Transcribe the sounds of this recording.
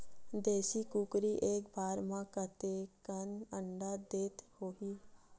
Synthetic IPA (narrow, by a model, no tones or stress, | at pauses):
d̪eːsikuːkɾiʔeːkbʱaːɾmãkət̪ekənəɳɖad̪eːt̪hoːɦiː